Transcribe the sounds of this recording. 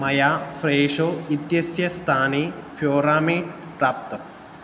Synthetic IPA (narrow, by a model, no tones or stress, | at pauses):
mɐjaːfɾeːʂoːit̪jɐsjɐst̪ʰaːnefʰjoːɾaːmiːɖpɾaːp̚t̪ɐ